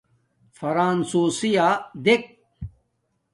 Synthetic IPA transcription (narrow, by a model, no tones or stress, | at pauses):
fɐɾaːnsuːsijaːd̪ek̚